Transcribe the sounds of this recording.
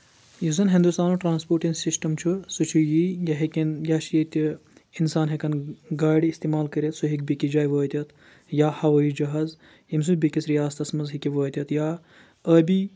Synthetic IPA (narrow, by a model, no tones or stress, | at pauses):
jizɐnɦĩnd̪ust̪aːnuʈɾaːnspoːɾʈinsisʈɐmt͡ʃʰusɨt͡ʃʰujijɐɦekʲinjaːʃjɐt̪iinsaːnɦekɐnɡaːɽiːst̪iːmaːlkɐɾʲet̪suɦikbikid͡ʒaːjʋəːt̪ʲɐt̪ | jaːhɐʋɐːid͡ʒɐɦaz | jims̬ubikisɾijaːst̪ɐsmɐzɦikiʋəːt̪ʲɐt̪jaː | əːbi